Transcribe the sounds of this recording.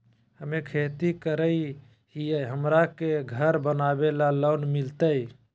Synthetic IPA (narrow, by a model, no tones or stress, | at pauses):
həmekʰet̪ikəɾəj | iəɦəmɾakeɡʱəɾbənabelalonmilt̪əj